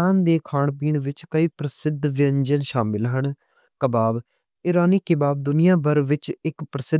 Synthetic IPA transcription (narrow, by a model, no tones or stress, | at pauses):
aːnd̪eːkʰaːɳpiːɳʋɪt͡ʃkəiːpɾəsɪd̪ʋɪənd͡ʒənʃaːmɪlɦəɳ | kəbaːb | ɪɾaːniːkɪbaːb̚d̪ʊnɪjãːbəɾʋɪt͡ʃɪkpɾəsɪ